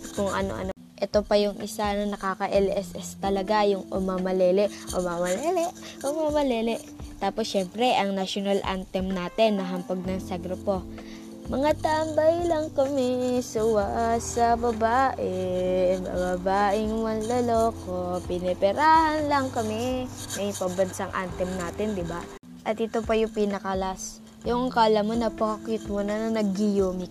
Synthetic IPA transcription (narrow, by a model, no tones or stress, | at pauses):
kʊŋʔɐ̰no̰ʔɐ̰no | ʔɛt̪o̞pɐjʊŋʔɪsanɐnɐkaːkɐʔɛlʔɛsʔɛst̪ɐlɐɡajʊŋʊ̰maːmɐlɛːlɛʔʔʊ̰mamɐlɛːlɛʔʔʊmaːmɐlɛːlɛ | t̪aːposʃɛmpɾɛʔɐŋnaʃonalʔa̰nt̪ɛmnaːt̪ɛnːɐɦɐmpɐɡ̚nɐŋsɐɡɾopo | mɐŋat̪ambɐjlɐŋkɐmɛsʊwasɐbɐbaːʔɛbɐ̰bɐbaːʔɪŋwɐnlɐlokopɪnɛpɛɾaːhɐnlɐŋkɐmɛmɐjpɐbɐnsaŋʔa̰nt̪ɛmnaːt̪ɪnd̪ɪba | ʔɐt̪ɪt̪opɐjʊŋpinɐkɐlas | jʊŋŋkaʔɐlɐmonɐpoɐkɪt̪̚monɐnɐnɐɡ̚ːɪjoːmɪk̚